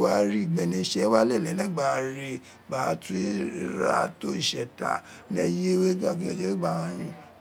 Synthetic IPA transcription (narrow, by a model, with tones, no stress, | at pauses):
wa˦ɾi˦˨ɡ͡bɛ˨nĩ˧˦ʃɛ˧˦wa˦le˦˨lɛ˨˦lɛ˦ɡ͡ba˨ɾe˨ | ba˨˦tu˦ɾa̰˦to˦i˦˨ʃɛ˨ta̰˨ | nɛ˧je˦we˦ɡ͡ba˦˨ki˦ɛ˨d͡ʒe˦we˦ɡ͡ba˦˨wã˦ɾĩ˦